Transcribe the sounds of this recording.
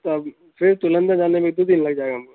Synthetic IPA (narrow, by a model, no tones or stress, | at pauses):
t̪oɐb | fʰɪɾt̪ʊlə̃nd̪ad͡ʒaːnemẽd̪oːd̪ɪnlɐɡ̚d͡ʒaːeɡaɦɐmka